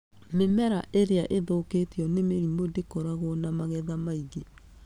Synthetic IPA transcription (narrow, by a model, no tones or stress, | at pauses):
memɛɾaʔeɾeaʔeðoːketeɔnemeɾimodekɔɾaɣwɔnamaɣɛðamaiɣe